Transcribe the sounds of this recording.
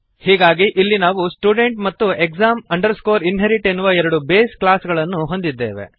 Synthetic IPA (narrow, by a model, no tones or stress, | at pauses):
hiːɡaːɡiʔilːinaːʋusʈuːɖe̞ɳʈmɐt̪ːuekzaːmɐɳɖɐɾskoːɾinɦeɾiʈe̞nːuʋɐɛɾɐɽubeːsklaːsɡɐɭɐnːuɦo̞nd̪id̪ːe̞ːʋḛ